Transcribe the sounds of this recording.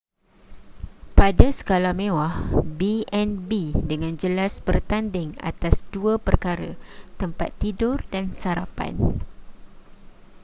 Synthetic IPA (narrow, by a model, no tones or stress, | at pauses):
padasə̥kalamẽwahbiɛnbidəŋãnd͡ʒəlasbərt̪andɪŋa̰t̪asduapərkaɾət̪əmpa̰t̪ːidʊrdansaɾapa̰n